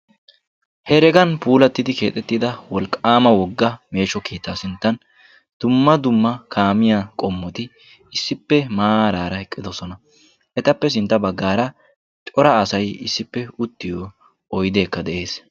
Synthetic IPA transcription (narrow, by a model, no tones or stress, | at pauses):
hɛɾɛɡɐnpuːlɐt̪ːɪd̪ɪke̞ːt̪ʼɛt̪ːɪd̪ɐwɔlkʼːaːmɐwɔɡːɐme̞ːʃɔkʰeːt̪ʰːaːsɪnt̪ːɐn | d̪̥ʊmːɐd̪ʊmːɐkʰaːmɪjaːkʼɔmːɔt̪ɪ | ɪsːɪpːɛmaːɾaːɾɐhɛkʼːɪd̪ɔsɔnɐ | ʔɛt̪ɐpːɛs̬ɪnt̪ːɐbɐɡːaːɾɐ | t͡ʃʼɔɾɐːsɐjɪsːɪpːɛʊt̪ːɪjɔ | ɔjd̪e̞ːkːɐd̪ɛʔe̞ːs